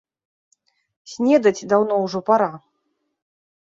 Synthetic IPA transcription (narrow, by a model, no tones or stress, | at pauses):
sʲnʲɛd̪ɐt͡sʲd̪awnɔwʐɔpaɾa